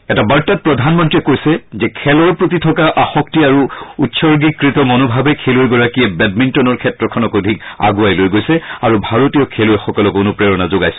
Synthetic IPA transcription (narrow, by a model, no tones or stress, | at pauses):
ɛtabaɹtat̚pɹɔdʱanmɔntɹiɛkojsɛzɛkʰɛlɔɹpɹotitʰɔkaʔaxɔktiaɹuutsɔɹɡikːɹitɔmɔnobʱabɛkʰelojɡɔɹakiɛbɛdmintɔnɔɹkʰɛtɹɔkʰɔnɔkodʱika̰ɡuajlojɡojsɛaɹubʱaɹotijɔkʰelojɛxɔkɔlɔkonʊpɹɛɹɔnazoɡajs